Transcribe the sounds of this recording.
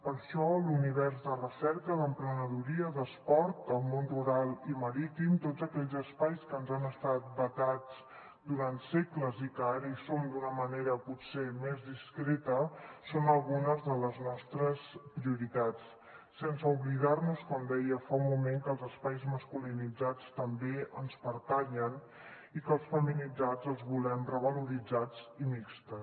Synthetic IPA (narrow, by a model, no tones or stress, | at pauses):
pəɾʃɔluniβ̞ɛɾzðərəsɛɾkəðəmpɾənəðuɾiəðəspɔɾt̪̚əlˠmonruɾalˠiməɾit̪imt̪ozəkɛʎzəspajskənzanəst̪at̪̚bət̪ad͡z | d̪uɾant̪sekləzikəaɾisomd̪unəməneɾəpusemezðiskɾet̪əsonəlˠɣunəzðələznɔst̪ɾəspɾiuɾit̪at͡sː | ɛnsəuβlið̞arnuskɔmd̪ɛjəfaumumeŋkəlˠzəspajzməskulinid͡zat͡st̪əmbeənspəɾt̪aʎən | ikəlˠsfəminid͡zad͡zəlˠzβulɛmrəβəluɾid͡zad͡zimikst̪ə